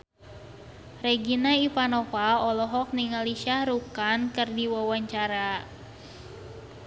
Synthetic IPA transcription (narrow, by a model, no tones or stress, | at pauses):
rɛɡinaipanɔfaɔlɔɦɔk̚niŋaliʃaɾukankɨrdiwawaɲt͡ʃaɾa